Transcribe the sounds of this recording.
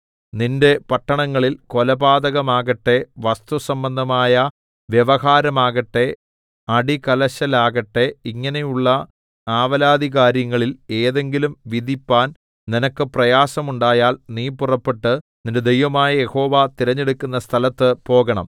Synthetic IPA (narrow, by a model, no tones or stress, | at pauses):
ninde̞pɐʈːɐɳɐŋːɐɭilkolɐbaːd̪ɐɣɐmaːɣɐʈːe̞ʋɐst̪usɐmbɐnd̪ʱɐmaːjɐ | ʋjeʋɐɦaːɾɐmaːɣɐʈːe̞ | ɐɽikɐlɐɕɐlaːɣɐʈːe̞iŋːɐnejuɭːɐ | aːʋɐlaːd̪ʱiɣaːɾjɐŋːɐɭile̞ːðe̞ŋɡilumʋid̪ʱipːaːn | ninɐkːɨprɐjaːsɐmuɳɖaːjaːlniːpːurɐpːe̞ʈːɨninded̪ejʋɐmaːjɐje̞ho̞ːʋat̪iɾɐɲːe̞ɽukːunːɐst̪ʰɐlɐt̪ːɨpo̞ːɣɐɳɐ̰m